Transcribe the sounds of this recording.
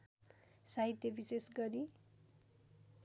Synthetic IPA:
saɦit̪jʌbisesɡʌɾi

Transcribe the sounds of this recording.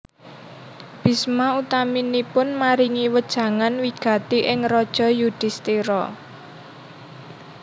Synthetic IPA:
b̥i̤smaut̪aminipʊnmaɾiŋiwəd̥ʒ̥ä̤ŋanwiɡ̥ä̤t̪iʔɪŋrɔd̥ʒ̥ɔ̤jud̪̥ɪ̤st̪iɾɔ

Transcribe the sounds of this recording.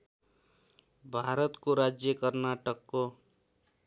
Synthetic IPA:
bʱaɾʌt̪koɾad͡zjʌkʌrnaʈʌkːo

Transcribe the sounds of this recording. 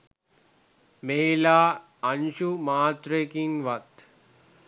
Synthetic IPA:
meɦilaː | ɐnʃumaːt̪ɾekinʋɐt̪

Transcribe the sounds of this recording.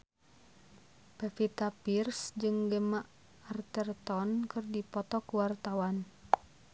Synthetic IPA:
pɛfit̪apirsd͡ʒɨŋɡɛmaʔ | art̪ərt̪ɔnkɨrdipɔt̪ɔkuwart̪awan

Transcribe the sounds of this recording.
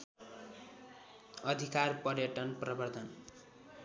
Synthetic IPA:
ʌd̪ʱikarpʌrjʌʈʌnprʌbʌrd̪ʱʌn

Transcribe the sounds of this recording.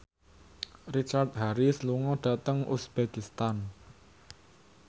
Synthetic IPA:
rit͡ʃart̪̚haɾisluŋɔɖ̥a̤t̪əŋʔṵsb̥ekist̪an

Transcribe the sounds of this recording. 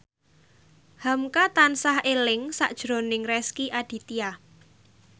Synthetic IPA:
hamkat̪ansahelɪŋsa̰ʔd̥ʒ̥ɾo̤nɪŋrɛskiʔaɖ̥i̤t̪ia

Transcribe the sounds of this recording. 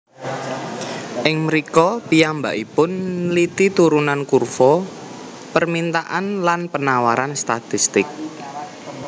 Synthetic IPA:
ʔɪŋməɾikɔpiamba̰ʔipʊnlit̪it̪uɾunankurfɔ | pərmint̪aʔanlanpənawaɾanst̪at̪ist̪ɪk̚

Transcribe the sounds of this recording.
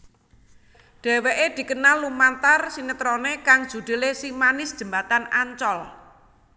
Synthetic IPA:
ɖ̥e̤weʔed̪̥i̤kənalːumant̪arsinət̪ɾonekaŋd̥ʒ̥ṳd̪̥e̤lesimanɪsd̥ʒ̥ə̤mbat̪anaɲt͡ʃɔl

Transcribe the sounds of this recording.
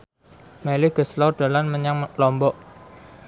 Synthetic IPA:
meliɡ̥ə̤slɔɖ̥a̤lanməɲaŋlɔmbɔʔ

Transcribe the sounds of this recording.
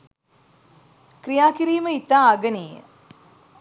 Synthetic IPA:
kɾijaːkiɾiːməit̪ːaːɡəneːjə̰

